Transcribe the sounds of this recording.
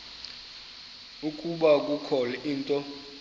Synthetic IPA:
ukʼuɓak̬ʼukʰɔlɛʔiːntʼɔ

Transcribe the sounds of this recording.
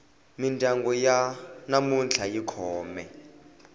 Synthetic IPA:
mindʱaŋɡɔjanamunt͡ɬʰajikʰɔːmɛ

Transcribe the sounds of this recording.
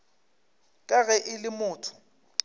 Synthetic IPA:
kʼaɣɛʔɪlɪmʊːtʰʊ̥

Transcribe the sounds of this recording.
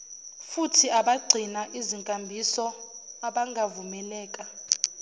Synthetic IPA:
futʰiaɓaɡ͡ǀʱinaʔiziŋkʼambʱisɔ | aɓaŋɡʱavumɛlɛːkʼa

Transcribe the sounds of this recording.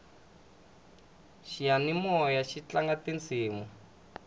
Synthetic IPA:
ʃianimɔjaʃit͡ɬaŋɡatent͡sʰiːmu

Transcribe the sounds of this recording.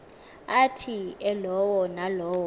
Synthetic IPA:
atʰiɛlɔwɔnalɔːwɔ

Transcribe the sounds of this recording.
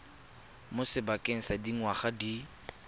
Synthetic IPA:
mʊsɪbakʼeŋ̩sadiŋwaχadi

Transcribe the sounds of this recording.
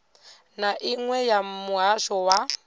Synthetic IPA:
naʔiŋwɛjamuɦaʃɔwa

